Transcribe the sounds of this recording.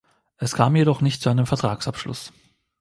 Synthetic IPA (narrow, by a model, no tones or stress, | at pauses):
ʔɛskʰaːmjeɾɔχnɪçtt͡suaɪnəmfɛɐtʁ̥aːksapʃlʊ̰s